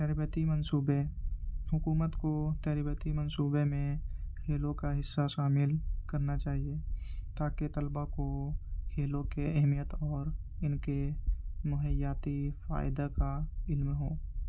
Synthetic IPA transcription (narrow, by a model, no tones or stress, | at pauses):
t̪ɛːɾbət̪imənsuːbehʊkuːmət̪kot̪ɛːɾbət̪imənsuːbemẽkʰeːlõkaɦɪsːaʃaːmɪlkəɾnat͡ʃaːɦie | t̪aːket̪əlbakokʰeːlõkeɛɦmijət̪ɔːɾ | ɪnkemʊɦəjaːt̪ifa̰ːɪd̪akaɪlmɦoː